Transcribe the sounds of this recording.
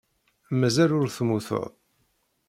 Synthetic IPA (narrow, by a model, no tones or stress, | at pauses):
mæzælʊɾθmuθə̰ʁ